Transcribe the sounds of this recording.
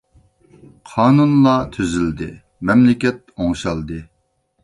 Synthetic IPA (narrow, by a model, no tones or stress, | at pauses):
qʰɑːnunlˠɑt̪ʰyzyld̪ɪ | mɛmlɪkʲɛt̪̚oŋʃɑlˠd̪ɨ